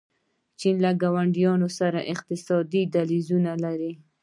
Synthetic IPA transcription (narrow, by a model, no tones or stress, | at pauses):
t͡ʃinlaɡawaɳɖijɑnosaɾaʔɪq̚t̪ɪsɑd̪id̪alizunalaɾi